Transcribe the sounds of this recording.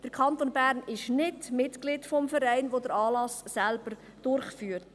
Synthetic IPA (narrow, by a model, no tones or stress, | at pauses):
d̥əɾkʰχɑnt̪onbæɾnɪʃnɪdmɪtɡ̥lɪdfɔmfəɾɛɪnʋodəɾɑːlɑsːælb̥əɾ | d̥ʊɾχfyːɾt